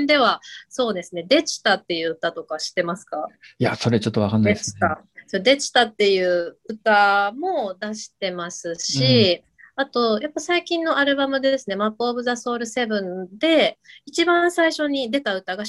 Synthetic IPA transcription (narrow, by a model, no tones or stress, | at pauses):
nd̪e̞β̞aso̞ːd̪e̞sɨne̞d̪e̞t͡ɕi̥t̪at̪ːe̞jɯ̟ɯ̟t̪at̪o̞kaɕi̥t̪e̞masɨ̥kajaso̞ɾe̞t͡ɕo̞t̪ːoβakanːaei̥t̪a | sod̪e̞t͡ɕi̥t̪at̪ːe̞jɯ̟ːɯt̪amo̞d̪aɕi̥t̪e̞masɨɕi | at̪o̞japːasaikʲĩnːo̞ʔaɾɯ̟bamɯ̟d̪esɨne̞mapːbɯ̟zaso̞ːɾɯ̟se̞bɯ̟̃nd̪e̞it͡ɕibãɰ̃saiɕo̞ɲ̟id̪e̞t̪aɯ̟t̪aɡa